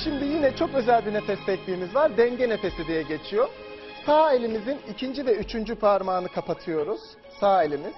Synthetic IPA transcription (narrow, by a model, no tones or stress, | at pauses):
ʃimd̪ijinɛt͡ʃʰo̞kø̞zælʲbinefɛst̪ɛc̚lʲiːmizvaɾd̪ɛɲɟɛne̞fe̞sid̪ijɛɟe̞t͡ʃʰijo̞ | saɦelʲimizinicʰind͡ʒivɛyt͡ʃʰynd͡ʒypʰaɾmaːnɯkʰapat̪ʰɯjo̞ɾuz̥ | saelʲimiz̥